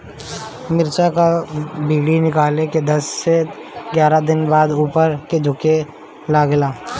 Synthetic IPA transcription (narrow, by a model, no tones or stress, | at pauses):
mɪɾt͡ʃakabiːɽinɪkaːleked̪ɐsːeɡjaːɾad̪ɪnbaːd̪uːpəɾked͡ʒʱʊke | laːɡlaː